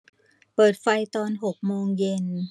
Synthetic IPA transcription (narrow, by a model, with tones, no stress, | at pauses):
pɤː˨˩t̪̚fa˧jt̪ɔː˧nɦo˨˩k̚moː˧ŋje˧n